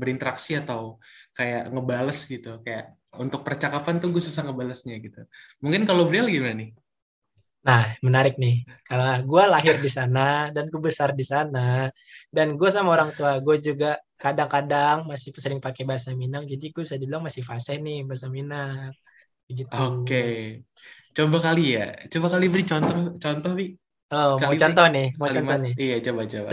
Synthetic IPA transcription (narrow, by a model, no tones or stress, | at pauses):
bəɾint̪əɾaksiat̪awkaja̰ʔŋəbaləsɡit̪ukajaʔ | unt̪ʊk̚pərt͡ʃakapant̪ʊɡuasusahŋəbaləsɲaɡit̪u | muŋkɪnkalobəɾialaɡimananɪh | nahmənaɾɪk̚nɪhkalaɡualaɦɪrdisanadanɡubəsardisana | danɡuas̬amaoɾaŋt̪uaɡuad͡ʒuɡa | kadaŋkadaŋmasɪhsəlɪŋpakebaɦasaminaŋd͡ʒadiɡuasadiblaŋmasɪhfasɛhnɪhbaɦasaminaŋ̚ | əɡit̪uoke | t͡ʃombakalija̰t͡ʃobakalibəɾit͡ʃɔnt̪ɔht͡ʃɔnt̪ɔhbi | lomot͡ʃɔnt̪ɔhnɪhmot͡ʃɔnɔhnɪijat͡ʃobat͡ʃoba̰